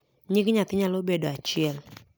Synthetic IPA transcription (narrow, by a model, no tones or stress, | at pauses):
ɲɪkɲat̪ɪɲalobedoat͡ʃɪɛl